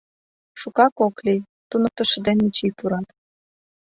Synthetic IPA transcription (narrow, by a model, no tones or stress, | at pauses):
ʃukɑkokli | t̪unɤ̆k̚t̪ə̆ʃə̆d̪enmit͡ɕijpuɾɑt̪